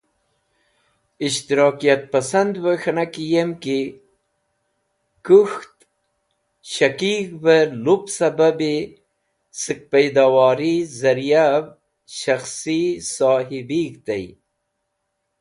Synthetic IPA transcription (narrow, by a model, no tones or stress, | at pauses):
iʃt̪iɾɑːkijat̪̚pasand̪wəxnakijemki | kuxt̪ | ɕakikbəlupsababe | sɨk̚pajd̪awaːɾizɐɾjab | ʃaxsisɑːɦibikt̪aj